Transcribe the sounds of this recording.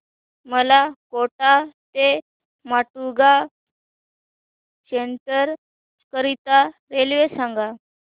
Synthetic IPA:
məlakoʈat̪e | maʈuɡa | seɳʈəɾ | kəɾit̪aɾelʋesaŋɡa

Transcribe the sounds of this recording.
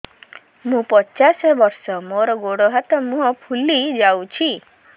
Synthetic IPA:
mũpɔt͡ʃasɔbɔɾsɔmoɾɔɡoɽɔɦat̪ɔmũɦɔpʰulid͡ʒawt͡ʃʰi

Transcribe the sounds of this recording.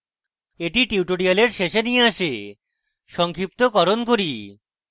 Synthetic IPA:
eʈiʈiuʈoɽialeɾʃeʃenieaʃe | ʃɔŋkʰɾip̚t̪okɔɾonkoɾi

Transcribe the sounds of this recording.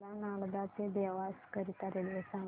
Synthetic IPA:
lanaɭd̪at͡sed̪eʋaskəɾit̪əɾelesã

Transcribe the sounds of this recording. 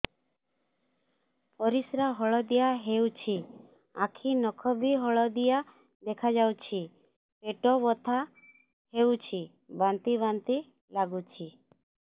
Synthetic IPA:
pɔɾisɾaɦɔɭɔd̪ijaɦewt͡ʃʰi | akʰinɔkʰɔbʱiɦɔɭɔd̪ija | d̪ekʰad͡ʒawt͡ʃʰi | peʈɔbɔt̪ʰa | hewt͡ʃʰi | bant̪iβant̪i | laɡut͡ʃʰi

